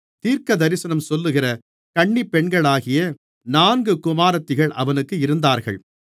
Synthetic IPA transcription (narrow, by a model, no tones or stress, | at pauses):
t̪iːɾkɐd̪ɐɾɪsɐnɐmsɔlːɯɣɪrɐ | kɐɳːipːɛɳɡɐɭaːɣɪjɐ | naːnɡɯkʊmaːɾɐt̪ːɪɣɐɭʔɐʋɐnɯkːɯɪɾɯnd̪aːɾɣɐ̰ɭ